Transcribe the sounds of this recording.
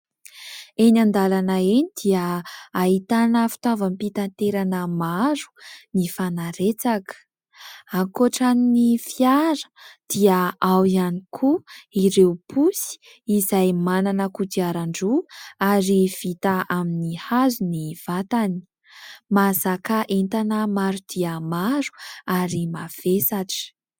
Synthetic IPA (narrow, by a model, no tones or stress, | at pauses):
enand̪alanaenid̪iəaɦit̪anəfi̥t̪avampit̪ant̪eɾanəmaɾu̥nifanaɾet͡sakə̥ | aŋkoʈ͡ʂaninifiaɾə̥d̪̥iəawianikʰuiɾewpʰusi̥ | izajmananəkut̪iaɾaɳɖ͡ʐuaɾiv̥it̪aaminihazuniv̥at̪ani̥ | mazakaʔent̪anəmaɾud̪̥iəmaɾu̥aɾimav̥esaʈ͡ʂə̥